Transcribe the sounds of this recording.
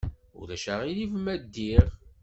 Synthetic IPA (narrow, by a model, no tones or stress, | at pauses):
ʊ̰ɾæʃæʁilivmæd̪ːiʁ